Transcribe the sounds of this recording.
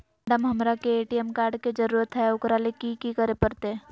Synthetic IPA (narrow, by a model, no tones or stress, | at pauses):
ɖəmɦɐmɾakeeːʈijɛmkaːɾɖked͡ʒəɾuːɾət̪ɦɛʊkɾalekikikəɾepəɾt̪e